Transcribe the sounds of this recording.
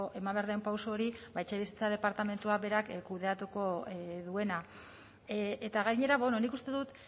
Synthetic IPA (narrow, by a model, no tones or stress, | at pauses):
oʔe̞mambeɾðeompawso̞ːɾibajt͡ʃeβisi̥t͡seað̞e̞paɾt̪ame̞nt̪uabe̞ɾakkuðe̞at̪uko̞ðue̞na | et̪aɣajɲe̞ɾaβnonikust̪e̞ðut̪